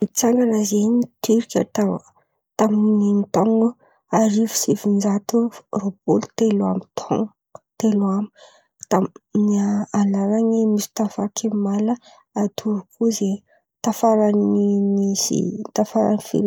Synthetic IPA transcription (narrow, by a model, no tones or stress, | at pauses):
it͡saŋɡanazeɲit̪yɾkʲə̰t̪a | t̪amininit̪ɔŋɡu | aɾivu̥sifind͡zat̪urobulu̥t̪ela̰mit̪ʰo̰ŋ | t̪elami | t̪amnaalaɾaŋimisi̥t̪afakʰemalə | at̪ʰuɾukʰuze | t̪afaɾanimisḭt̪afaɾa̰nifḭɾ